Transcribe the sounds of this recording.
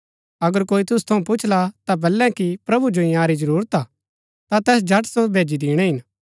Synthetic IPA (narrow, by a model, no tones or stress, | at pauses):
ɐɡəɾkoːit̪ʊst̪ʰɐũpʊt͡ʃʰlat̪abɐlːɛ̃kipɾɐbud͡ʒoĩjaːɾid͡ʒɐɾuːɾət̪a | t̪at̪ɛːs̬d͡ʒʱɐʈsobʱeːd͡ʒid̪iːɽ̃ɛɦɪn